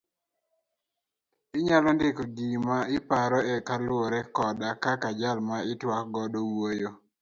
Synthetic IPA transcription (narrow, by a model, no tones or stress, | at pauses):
ɪɲalɔndɪkɔɡimaɪpaɾɔɛkalʊoɾɛkɔdakakad͡ʒalmaɪtwakɡɔdowojo